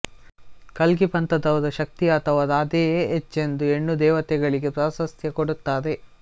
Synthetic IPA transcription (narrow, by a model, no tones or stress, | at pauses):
kɐlɡipɐnt̪ɐd̪ɐʋɐd̪ɐʃɐk̚t̪iɐt̪ʰɐʋɐd̪aːd̪eːeːet͡ʃːe̞nd̪ue̞ɳːud̪ɛːʋɐt̪ɛɡɐɭiɡepɾaːsɐst̪ʰjɐkoɽut̪ːaːd̪e̞